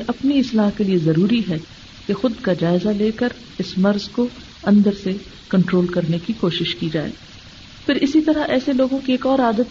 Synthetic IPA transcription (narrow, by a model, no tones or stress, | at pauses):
ʔɐpniɪslaːɦkeliezɐɾuːɾiɦɛ | kexʊd̪kad͡ʒaːɪzaleːkəɾ | ɪsmɐɾzko | ɐ̃nd̪əɾse | kɐ̃ɳʈɾoːlkɐɾnekikoːʃɪʃkid͡ʒaːḛː | pʰɪɾɪsit̪ɐɾaʔɛːseloːɡõkieːkɔːɾaːd̪ət̪